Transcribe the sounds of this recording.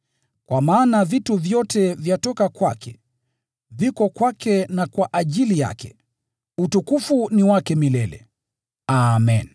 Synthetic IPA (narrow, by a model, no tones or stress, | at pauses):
kwʔamaːnavituvjɔtɛvjatɔkakwakʰɛ | vikɔkwakɛnakwaʔaʄilija̰kɛ̰ | utukufuniwakɛmilɛlɛ̰ | amɛn